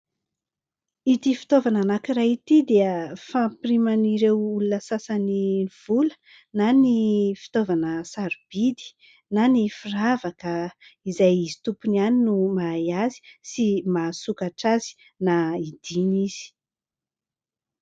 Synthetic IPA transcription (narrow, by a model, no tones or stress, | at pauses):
it̪ifi̥t̪ovananakirait̪id̪eəfampirimaniɾewulunəsasaniv̥ulə̥ | nanifi̥t̪ovanəsaɾub̥id̪i̥ | nanifiravakəizajizi̥t̪upunaninumajazi̥simasukaʈ͡ʂazi̥ | naid̪̥iniz̥i̥